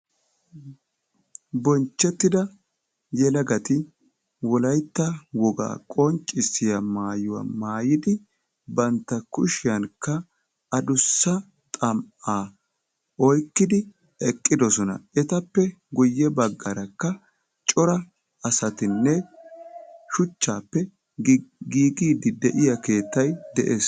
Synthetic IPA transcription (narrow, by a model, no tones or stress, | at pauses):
bɔnt͡ʃːɛt̪ːɪd̪ɐ | jɛlɐɡɐt̪ɪ | wɔlɐjt̪ːɐwɔɡa̰ːkʼɔnt͡ʃʼːɪsːɪjɐmaːjʊwa̰maːjɪd̪ɪ | bɐnt̪ːɐkʊʃɪjɐnkːɐ | ɐd̪ʊsːɐ | t̪ʼɐmaː | ɔjkːɪd̪ɪ | ɛkʼːɪd̪ɔsɔnɐ̰ʔɛt̪ɐpːɛɡʊjːɛbɐɡːɐɾɐkːɐ | t͡ʃʼɔɾɐ | ɐsɐt̪ɪnːɛ | ʃʊt͡ʃːaːpːɛ | ɡiːɡiːd̪ɪd̪ɛʔɪjɐke̞ːt̪ːɐjd̪ɛʔeːs